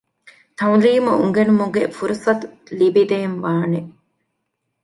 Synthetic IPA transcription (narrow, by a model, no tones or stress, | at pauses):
t̪ɐŋliːmuuŋɡenumuɡefuɾusɐt̪u | libid̪enʋaːne